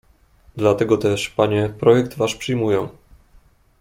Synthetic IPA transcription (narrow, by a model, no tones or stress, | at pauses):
d̪lat̪ɛɡɔt̪ɛʂpaɲɛpɾɔjɛkd̪vaʂpʂɘjmujɔ̃